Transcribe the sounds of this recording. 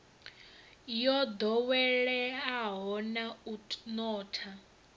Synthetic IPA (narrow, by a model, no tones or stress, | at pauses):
jɔd̪ɔwɛɺɛɦaɦɔnaunɔːtʰa